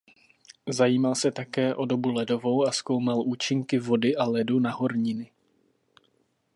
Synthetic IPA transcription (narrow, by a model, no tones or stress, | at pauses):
zajiːmalsɛt̪akɛːʔo̞do̞bulɛdo̞vo̞wasko̞wmalʔuːt͡ʃɪŋkɪvo̞dɪʔalɛdunaɦo̞ɾɲɪnɪ